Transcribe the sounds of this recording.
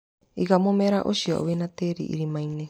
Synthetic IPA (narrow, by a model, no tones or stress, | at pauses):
iɡamomeɾaʔosiɔ̰ʔo̰βenat̪eɾḭʔḭɾimajne